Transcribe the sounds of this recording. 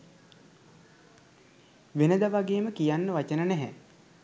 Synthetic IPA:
ʋenəd̪aʋaɡeːməkijanːəʋat͡ʃənənæɦɛ̰

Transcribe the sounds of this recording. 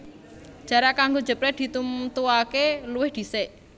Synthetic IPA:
ʒ̥a̤ɾakaŋɡod͡ʒə̤pɾɛt̪̚d̪̥i̤t̪umt̪uakeluwɪhd̪̥i̤seʔ

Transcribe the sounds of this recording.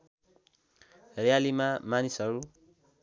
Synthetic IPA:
rejalimamanisɦʌɾu

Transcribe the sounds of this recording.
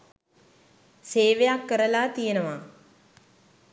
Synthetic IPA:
seːʋejakːəɾəlaːt̪ijenəʋa

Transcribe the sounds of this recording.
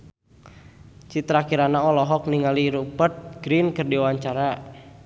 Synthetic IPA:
t͡ʃit̪ɾakiɾanaɔlɔɦɔk̚niŋaliɾupərt̪̚ɡ̥ɾinkərdiwaɲt͡ʃaɾa

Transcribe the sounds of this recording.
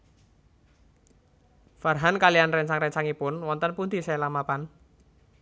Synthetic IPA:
farɦankalianrɛɲt͡ʃaŋrɛɲt͡ʃaŋipʊnwɔnt̪ənpund̪isɛlamapan

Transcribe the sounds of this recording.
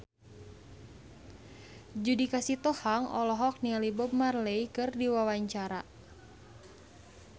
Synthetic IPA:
d͡ʒudikasit̪ɔhaŋɔ̰lɔɦɔk̚nialibɔb̚marlejkɨrdiwawaɲt͡ʃaɾa

